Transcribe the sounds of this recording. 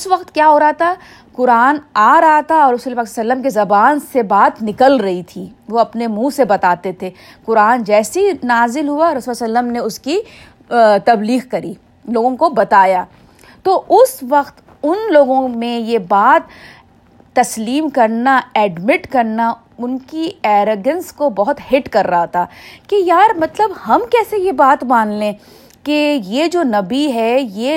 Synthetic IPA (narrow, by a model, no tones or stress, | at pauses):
ʊsʋɐqt̪kjaːɦoːɾɐɦat̪ʰa | kʊɾaːnaːɾɐɦat̪ʰaɔːɾɐsuːleepaːksasɐlːəmk̬ezɐbaːnsebaːt̪nɪkəlɾɐɦit̪ʰiʋoɐpnemũːsebɐt̪aːt̪et̪ʰeː | kʊɾaːnd͡ʒɛːsinaːzɪlɦuaɾɐsuːlssɐlːəmneʊski | t̪ɐbliːɣkɐɾiː | loːɡõkobɐt̪aːjaː | t̪oːʔʊsʋɐqt̪ | ʊnloːɡõmẽjebaːt̪ː | ɐsliːmkɐɾnaɛːɖmɪʈkɐɾna | ʊnkiɛːɾoːɡə̃nskobɐɦʊt̪hɪʈkɐɾːɐɦat̪ʰaːkejaːɾmɐt̪ləbhɐmkɛːsejebaːt̪mãːnlẽː | kejed͡ʒoːnɐbiɦɛje